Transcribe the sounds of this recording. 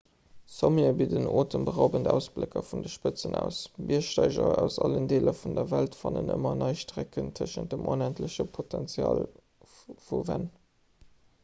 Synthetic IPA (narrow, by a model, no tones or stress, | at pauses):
somiɐbidənʔoːtʰənbəʁaʊbəndæʊsb̥lekʰɐfundəʃpət͡sənæʊsmʔiɐʃtɑɪʑɐæʊsɑləndeːlʔəfundɐvæltfɑnənʔəmɐnɑɪʃtʁækəntʰəʃənt̚d̥əmʔonæntləɕəpʰotʰɛnt͡sjɑ̰ːl | fuvæn